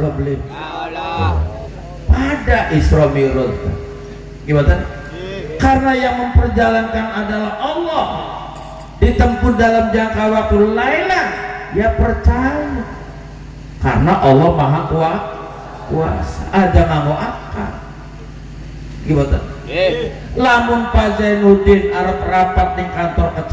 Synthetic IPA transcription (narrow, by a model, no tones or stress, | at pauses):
lɔbəlɪ̰ | padaʔisɾɔmiɾʊt̪ː | ɡibat̪an | karənajaŋməmpərd͡ʒalankanadalahʔɔlːɔh | dit̪əmpʊt̪̚dalamd͡ʒaŋkawak̚t̪ulailahjapərt͡ʃaja | ka̰rənaʔɔlːɔhmaɦakua | kua̰sa̰ʔad͡ʒaŋamoʔaka̰ | ɡibat̪a̰n | lamʊnpad͡ʒajnudɪnaɾʊpərampat̪̚diŋkant̪ɔrkət͡ʃ